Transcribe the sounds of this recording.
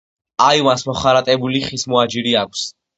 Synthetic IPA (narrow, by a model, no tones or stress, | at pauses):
aiwansmɔχaɾat̪ʼɛbuliχismɔad͡ʒiɾiakʷʰs